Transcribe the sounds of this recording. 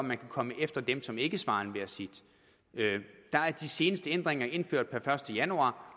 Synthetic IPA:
mænkʰækʰɒ̽məʔefd̥ɐd̥emsɒ̽me̝ɡ̥əsʋɑ̈ːnʋe̝ɐsid̥ | ød̥ɑ̈æɐd̥ise̝ːnəsd̥əend̥ʁeŋɐe̝nføɐ̰d̥̚pʰæɐfɶɐsd̥əjænuɑ̰̈ː

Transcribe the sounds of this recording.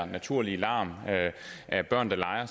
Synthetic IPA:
ɐnæt͡sʰuɐ̰lielɑ̰̈ːmøʔæb̥ɶɐ̰nd̥ɑ̈lɑ̈ɪɐ

